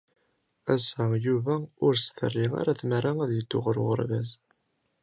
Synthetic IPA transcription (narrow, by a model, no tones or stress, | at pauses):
æsæjuvæʊɾsθə̰rːiŋa̰ɾæθmæɾæŋæðjəd̪ːʊʁəɾʊʁə̰ɾvæz